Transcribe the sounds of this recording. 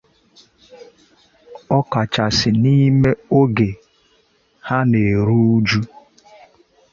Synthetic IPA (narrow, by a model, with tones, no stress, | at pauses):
ɔ˦ka˨t͡ʃa˨sɪ˨ni˦me˦o˦ɡe˨ | ha˦ne˨ɾu˦d͡ʒu˦